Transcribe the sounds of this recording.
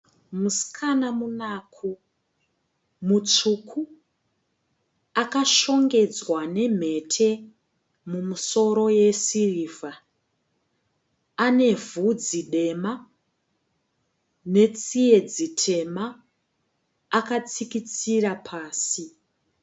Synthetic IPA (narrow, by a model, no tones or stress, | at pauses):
musi̥kʰanamunakʰu | mut͡ʂukʰu | akaʃo̞ŋɡe̞d͡zwane̞m̤e̞tʰe̞ | mumuso̞ɾo̞je̞siriːva | ne̞vud͡ziɗe̞ma | ne̞t͡sije̞d͡zitʰe̞ma | kat͡sikit͡siɾapʰaːsi